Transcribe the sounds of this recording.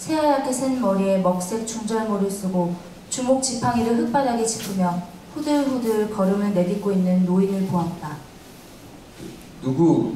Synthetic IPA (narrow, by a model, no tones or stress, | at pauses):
sʰe̞ajak͈ʰesʰenmʌɾie̞mʌk̚s͈e̞k̚t͡ɕ͈ʰuŋd͡ʑʌɭmoɾɯɭs͈ɯɡo | t͡ɕumok̚t͡ɕ͈ipʰaŋiɾɯɭɦɯk̚p͈aɾaɡet͡ɕʰi̥pʰɯmjʌ | ɸudɯɭɸudɯɭkʌɾonɯɭne̞ɡik͈oinːɯnːoinɯɭpoɦat̚t͈a | nuɡu